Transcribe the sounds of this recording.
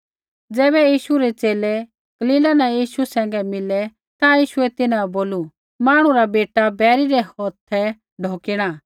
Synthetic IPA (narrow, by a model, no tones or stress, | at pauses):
d͡zɛːbɛjiːʃuɾɛt͡seːlɛ | ɡ̥ɐliːlanãjiːʃusɛ̃ːŋ̆ɡɛmɪlɛ | t̪ãjiːʃuɛt̪ɪnãboːlu | maːɽ̃ũɾabeːʈabɛːɾiɾɛhɔːt̪ʰːɛ | ɖʱoːkɪɽ̃a